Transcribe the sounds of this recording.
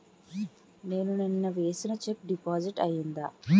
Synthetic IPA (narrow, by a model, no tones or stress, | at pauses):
ne̞ːnuninːɐʋe̞ːsinɐt͡ʃep̚ɖipaːd͡ʒiʈɐjind̪aː